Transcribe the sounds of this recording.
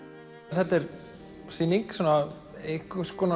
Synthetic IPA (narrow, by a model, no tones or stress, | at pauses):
θɛt̪ɛɾ | siːniŋksaːna | ehkʏskɔːna